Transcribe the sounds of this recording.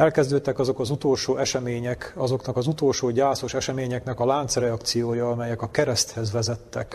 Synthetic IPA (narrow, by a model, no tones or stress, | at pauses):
ɛlkɛzd̪øːt̪ːɛkɒzo̞kɒzut̪oːlʃoːɛʃɛmeːɲɛkɒzo̞knɒkɒzut̪o̞ːlʃoːɟaːso̞ʃɛʃɛmeːɲɛknɛkɒlaːnt̪srɛɒkt̪sijoːjɒːmɛjɛkɒkɛɾɛst̪hɛzʋɛzɛt̪ːɛk